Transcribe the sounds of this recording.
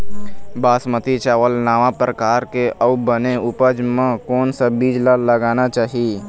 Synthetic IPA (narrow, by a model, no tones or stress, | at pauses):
baːsmət̪it͡ʃaːʋəlnaːʋapɾəkaːɾkeʔəʋbəneʊpəd͡ʒmẽkɔːnsabiːd͡ʒlaləɡaːnat͡ʃaːɦii